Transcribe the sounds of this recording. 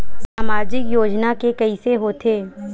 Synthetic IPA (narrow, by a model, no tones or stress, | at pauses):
saːmaːd͡ʒɪkjoːd͡ʒnakekɐiseɦoːt̪ʰeː